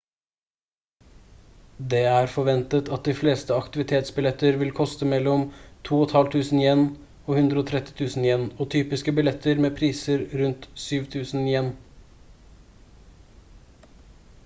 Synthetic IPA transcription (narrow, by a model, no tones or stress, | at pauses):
d̪eːæːɾfɔʋɛnt̪ət̪ʰɑt̪̚d̪ɪːfleːst̪əɑkt̪ɪʋɪt̪ʰeːt̪sbɪlɛt̪əɾʋɪlkʰɔst̪əmɛlɔmt̪ʰuːɔt̪hɑlt̪ʰʉːsn̩jɛn | oːhʉnd̪ɾəoːt̪ʰɾɛt̪ːɪ̥t̪ʰʉːsn̩jɛnoːt̪ʰyːpɪskəbɪlɛt̪ːəɾmeːpʰɾiːsəɾɾʉnt̪syːʋt̪ʰʉːsn̩jɛnː